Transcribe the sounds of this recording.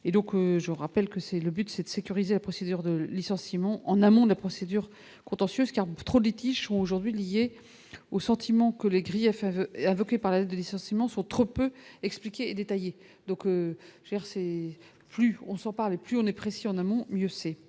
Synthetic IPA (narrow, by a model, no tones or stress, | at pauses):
ed̪ɔ̃køʒəʁapɛlkəsɛləbyt̪sɛd̪əsekʲyʁizelapχɔsed̪yʁd̪əlisɑ̃simɑ̃ʔɑ̃namɔ̃d̪əlapχɔsed̪yʁ | kɔ̃t̪ɑ̃sjøzkaʁt̪χod̪lit̪iʒsɔ̃oʒuʁd̪ɥilije | osɑ̃t̪ʰimɑ̃kəleɡʁijɛfɛɛ̃vɔkʲepaʁlaɛt̪̚d̪əlisɑ̃simɑ̃sɔ̃t̪χopøɛksplikʲeːd̪et̪aje | d̪ɔ̃køʒ̥ed̪iʁsɛ | plyɔ̃sɑ̃paʁleplyɔ̃nɛpχesiɑ̃namɔ̃mjøsɛ